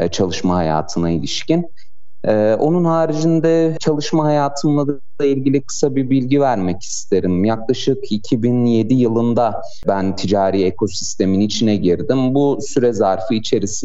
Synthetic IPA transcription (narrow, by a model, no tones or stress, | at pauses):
t͡ʃʰalˠɯʃmaɦaja̰ːt̪ʰɯnailʲiʃcin | ɛːʔo̞nunhaːɾid͡ʒind̪ɛt͡ʃʰalˠɯʃmaɦajaːt̪ʰɯnlˠad̪ | lˠailʲɟilʲikʰɯ̥sabibilʲɟivæɾmɛcʰi̥st̪ʰe̞ɾimjaklˠaʃɯkicʰibinje̞d̪ijɯlˠɯnd̪a | bænt̪ʰid͡ʒaːɾiːekʰo̞si̥st̪ʰe̞minit͡ʃʰinɛɟiɾd̪imbusyɾɛzaɾfɯit͡ʃʰe̞ɾis